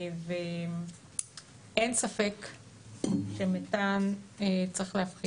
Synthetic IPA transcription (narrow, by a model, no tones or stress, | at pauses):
ve | ʔensafe̞k | ʃemetant͡sʁiχlehafχi